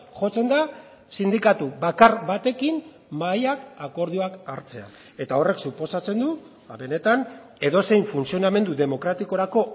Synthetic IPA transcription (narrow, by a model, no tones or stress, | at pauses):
xo̞t͡se̞nd̪a | sind̪ikat̪uβakaɾβat̪e̞kim | majakako̞ɾðiuakaɾt͡se̞a̰ | e̞t̪ao̞re̞ksupo̞sat͡se̞nd̪u | aβe̞ne̞t̪an | e̞ðo̞se̞jɱfunsio̞name̞nd̪uðe̞mo̞kɾat̪iko̞ɾako̞